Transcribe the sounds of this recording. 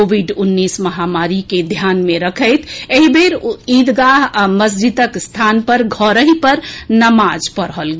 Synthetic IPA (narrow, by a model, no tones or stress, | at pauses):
obʱiɖunːisməɦamaɾiked̪ʱjanmeɾəkʰəɪt̪ʰeɦibeɾid̪ɡaɦaməs̬d͡ʒit̪əkst̪ʰanpəɾɡʱɔɾəɦipəɾnəmad͡ʒpəɾɦəlɡe